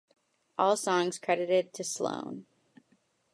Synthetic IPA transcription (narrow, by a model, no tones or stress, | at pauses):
ʔɔlˠsɔ̃ŋz̥kʰɹ̥ɛɾɨɾɪd̚tʰɨslõ̰ʊ̃n